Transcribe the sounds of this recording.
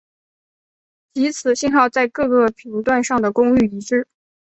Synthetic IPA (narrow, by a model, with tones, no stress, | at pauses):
t͡ɕi˧˥t͡sʰɹ̩˨˩ɕi˥˧nxɑ˥˧ʊt͡sa˥˧ɪkɤ˥˧kɤ˥˩pʰi˧˥ŋt̪wa˥˧nʂɑ˥˩ŋd̪ə˩kʊ˥ŋy˥˩i˧˥ʈ͡ʂɻ̩˥